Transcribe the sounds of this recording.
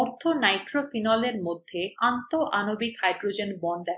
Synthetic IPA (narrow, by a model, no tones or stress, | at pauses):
ɔɾt̪ʰonajʈɾofinɔleɾmod̪ʱːeant̪oʔanobikhajɖɾod͡ʑenbɔnd̪a